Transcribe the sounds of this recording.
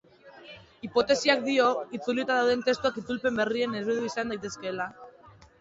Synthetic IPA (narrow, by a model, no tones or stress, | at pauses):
ipo̞t̪e̞siak̚d̪io̞it͡suliet̪aðawðent̪e̞st̪uakit͡s̪ulpe̞mbe̞rie̞ne̞zβiðuisand̪ajt̪e̞ske̞la